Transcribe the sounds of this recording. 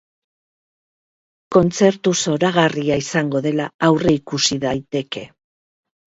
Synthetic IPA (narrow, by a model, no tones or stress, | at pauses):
ko̞nt͡se̞ɾt̪uso̞ɾaɣariaisaŋɡo̞ðe̞laawre̞ikusiðajt̪e̞ke̞